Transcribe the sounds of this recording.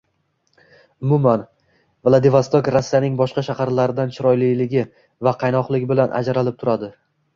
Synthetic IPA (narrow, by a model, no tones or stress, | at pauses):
ʊmʊman | vlˠad̪ɪvost̪okɾasːijanɪŋbɒʃqɑʃahaɾlaɾɪd̪ant͡ʃʰɪɾɒjlijlɪɡʲɪ | vaqʰɑjnɒqlˠɪɡʲɪbɪlanʔa̰d͡ʒaɾalɪp̚t̪ʰʊɾad̪ɪ